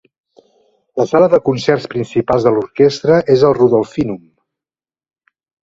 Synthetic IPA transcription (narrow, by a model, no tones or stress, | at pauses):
ləsaləðəkunsɛrspɾinsipalzðəluɾkest̪ɾəʔezəlˠruðɔlˠfinum